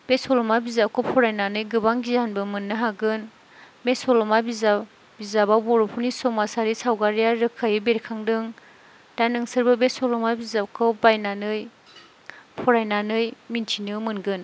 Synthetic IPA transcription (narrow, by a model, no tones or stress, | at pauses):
b̥esɔlɔmabizap̚kʰɔwpʰɔɾajnanɯjɡɯbaŋɡizanbɯmɯnːɯɦaɡɯn | mesɔlɔmabiza | bizabawbɔɾɔpʰunisɔmasaɾisawɡaɾijaɾɯkʰajbeɾkʰaŋdɯŋ | d̥anɯŋsɯɾbɯbesɔlɔmabizap̚kʰɔbajnanɯj | pʰɔɾajnanɯjmintʰinɯmɯnɡɯn